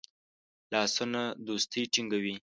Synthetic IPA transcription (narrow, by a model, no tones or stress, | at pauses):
lɑsunad̪ost̪ijʈiŋɡawi